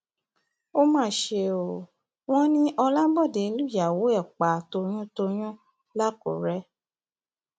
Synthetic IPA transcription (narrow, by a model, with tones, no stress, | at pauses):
o˦mãː˦˨ʃe˧˨o˨ | w̃ɔ̃˦nĩ˦ʔɔ˧la˦bɔ˦˨de˨˧˦lu˦˨ja˨wo˨˦ɛ˦˨k͡pa˨to˧j̃ũ˦to˧j̃ɔ̃˦ | la˦ko̰˨ɾɛ˦